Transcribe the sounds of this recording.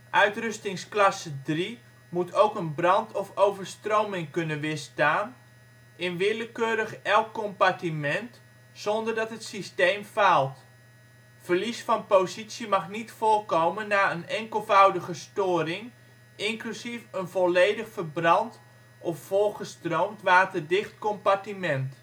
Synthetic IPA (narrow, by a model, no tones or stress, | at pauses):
ʔœɥtrʏstɪŋsklasədri | mutʰowkənbrɑntʰɔfowvərstrowmɪŋkɵnənʋɪstaːn | ɪnʋɪləkøːɾəxɛlˠkkːɔmpatimɛnt | sɔndərdɑtɦətsisteːmfalˠt | fərlisfɑnpowzisjimɑχnitfoːrkowmənːaːənɛŋkəlˠvœwdəɣəstoːrɪŋ | ɪŋklysifənvɔleːdəxfərbrɑnt | ʔɔfːolˠχəstrowmtʋaːtərdɪxtkɔmpartimɛnt